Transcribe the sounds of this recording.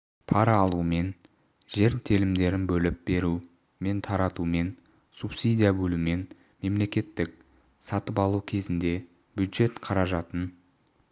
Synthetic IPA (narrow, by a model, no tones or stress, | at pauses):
pʰɑɾɑːlˠume̞n | ʒe̞ɾt̪ʰelɪmd̪e̞ɾɪnbɵlɪp̚be̞ɾu | me̞nt̪ʰɑɾɑt̪ume̞n | supsid̪ijabɵlume̞n | me̞mle̞kʲe̞t̪ːɪk̚ | sɑt̪əpɑlˠukʲʰe̞zɪnd̪e̞ | b̥ʲjʊd̪ʒe̞t̪qʰɑɾɑʒɑt̪ən